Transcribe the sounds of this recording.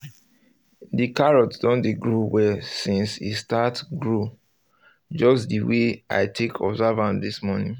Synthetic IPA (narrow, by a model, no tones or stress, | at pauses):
dikaɹɔtdɔ̃ndiɡɹuwɛsĩnsḭstatɡɹu | d͡ʒɔsdiweʔa̰ɪtʰekʰɔ̰bzavãndismɔnĩŋ